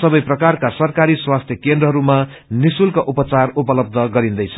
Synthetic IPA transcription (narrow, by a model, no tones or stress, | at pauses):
sʌbʌjprʌkarkasʌrkaɾiswast̪ʰjʌkend̪rʌɦʌɾuma | nisulkaʔupʌt͡sarupʌlʌb̚d̪ʌɡʌɾĩnd̪ʌjt͡sʰʌ